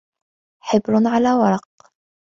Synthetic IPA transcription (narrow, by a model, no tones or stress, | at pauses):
ħɪbɾnʕalaːwɑɾˤɑq